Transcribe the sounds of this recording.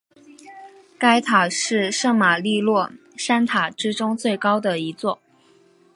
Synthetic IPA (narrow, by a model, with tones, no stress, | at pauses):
ka˥ɪt̪ʰa˨˩ʂɻ̩˥˧ʂɤ˥˩ŋma˨˩li˥˧lwɔ˥˩ | ʂa˥nt̪ʰa˨˩ʈ͡ʂɻ̩˥ʈ͡ʂʊ˥ŋt͡swe˥˩ɪkɑ˥ʊd̪ə˨i˧˥t͡swɔ˥˩